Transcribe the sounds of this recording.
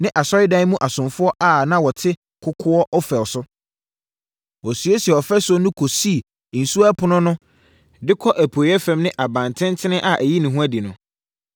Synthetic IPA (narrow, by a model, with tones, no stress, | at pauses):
nɪ̃˦ʔa˨sɔ˦ɪ˦dã˦mũ˦ʔa˨sʊ̃˨mfʊ˦ɔ˦ʔa˦˨nã˦wɔ˨tʰɪ˦ | kʰʊ˦kʰʊ˦ɔ˦ʔɔ˦fɛ˨lsʊ˦ | wɔ˨sɥe˦si˨ɛ˨ɔ˨fɛ˦sʊ˦ɔ˦nʊ̃˦kʰo˨si˦˨ | n̩˨su˦a˦pʰʊ˦nʊ̃˦nʊ̃˦ | dɪ˦kʰɔ˦ʔæ˨pʰo˨jɛ˦fɛ̃˦mnɪ̃˦ʔa˨bã˨ntʰɪ̃˦ntʰɪ˦nɪ̃˦ʔa˨ʔæ˨ji˦nɪ̃˨ɦũ˦æ˦di˨nʊ̃˨